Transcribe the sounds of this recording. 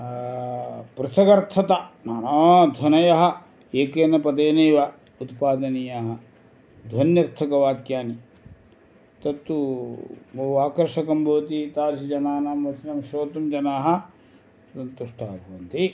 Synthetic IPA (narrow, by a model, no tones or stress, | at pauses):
pɾɐt̪ʰɐkɐɾt̪ʰɐt̪ɐnaːnaːd̪ʱwɐnɐjɐɦɐ̆ | eːkeːnɐpɐd̪eːnɐjʋɐ | ut̪paːd̪ɐnijaːɦɐ | d̪ʱwɐnjɐɾt̪ʰɐkɐʋaːkjaːni | t̪ɐt̪ːu | bɐɦuaːkɐɾʃɐkɐmbʱɐʋɐt̪it̪aːɾsid͡ʒɐnaːnaːmʋɐt͡ʃnɐmʃoːt̪ɐmd͡ʒɐnaːɦɐ̆ | ssɐnt̪uʂʈa̰ːbʱɐʋɐnt̪i